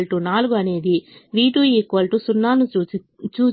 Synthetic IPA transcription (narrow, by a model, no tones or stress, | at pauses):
lʈunaːluɡuɐne̞ːd̪iʋiːʈuekːuʋɐlʈusunːaːnu | t͡ʃuː